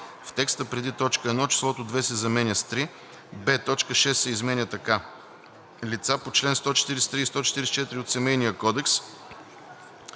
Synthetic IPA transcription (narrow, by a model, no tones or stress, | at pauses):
ft̪ɛkst̪əpɾɛd̪it̪ɔt͡ʃkəɛd̪nɔt͡ʃi̥slˠɔt̪od̪vɛsɛzɐmɛnʲəst̪ɾi | bɛt̪ɔt͡ʃkəʃɛsːɛizmɛnʲət̪ɐka | lit̪sapot͡ʃlɛnst̪ɔt͡ʃɛ̥t̪iɾɛsɛ̥t̪ɾist̪ɔt͡ʃɛ̥t̪iɾɛsɛ̥t͡ʃɛt̪iɾiot̪sɛmɛjnijəkɔd̪ɛks